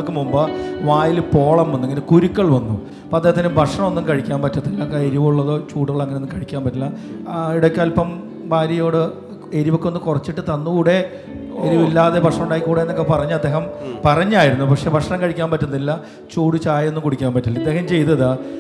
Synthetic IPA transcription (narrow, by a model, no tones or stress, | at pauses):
ɭkːɨmumbɐʋaːjilpo̞ːɭɐmenːeŋːɐnekuɾukːɐɭʋɐnːṵ | ɐpoɐd̪eːhɐt̪̬ːɐinɨbʱɐʈʂɐɳɐmo̞nːumkɐɻikʲːaːnpɐtːuɐnːilːɐkːaeɾiʋuɭːɐðo̞ːt͡ɕuːɽuɣɐɭɐŋːɐnenːumkɐɻikʲːaːmpɐtːɐlːɐiɽokʲːɐlpɐm | bʱaːɾɐjo̞ːɽɨ | eɾiʋo̞kːeonːɨkurɐt͡ɕːiʈːɨt̪ɐnːɨkuɽe̞ | eɾiʋilːaːðebʱɐʂɳɐmuɳɖaːjikʲːuːɽeenːɐkːepɐrɐɲːɨɐd̪ːe̞ːɦɐmpɐrɐɲːaːjiɾunːupɐkʂe̞bʱɐʂɐɳɐŋkɐɻikʲːaːmpɐtːɐnːilːɐ | t͡ɕuːɽut͡ɕaːjenːumkuɽikʲːaːnpɐtːilɐid̪ːe̞ːɦɐmt͡ɕe̞jt̪ɐða